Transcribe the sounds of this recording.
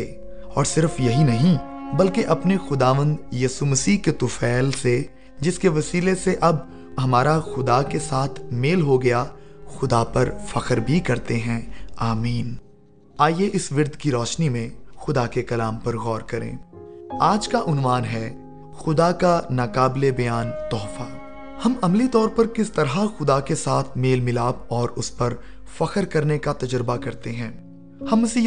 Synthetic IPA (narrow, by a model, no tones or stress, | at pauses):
ɔːɾsɪɾfjɐɦinɐɦĩ | bɐlkeʔɐpnexʊd̪aːʋə̃nd̪jiːsumɐsiːɦket̪ʊfɛːlse | d͡ʒɪskeʋɐsiːleseʔɐb | ɦɐmaːɾaxʊd̪akesaːt̪ʰmeːlɦoɡɐja | xʊd̪apɐɾfɐqəɾbʱikɐɾt̪eɦɛ̃aːmiːn | aːjeʔɪsʋɪɾd̪kiɾɔːʃnimẽxʊd̪akekɐlaːmpɐɾɣɔːɾkɐɾḛ̃ːaːd͡ʒkaʔʊnwaːnɦɛ | xʊd̪akanaːkaːblebɐjaːnt̪ɔːfaː | hɐmɐmlit̪ɔːɾpɐɾkɪst̪ɐɾɦaxʊd̪akesaːt̪ʰmeːlmɪlaːbɔːɾʊspɐɾ | fɐkəɾkɐɾnekat̪ɐd͡ʒɾbakɐɾt̪eɦɛ̃ː | hɐmsi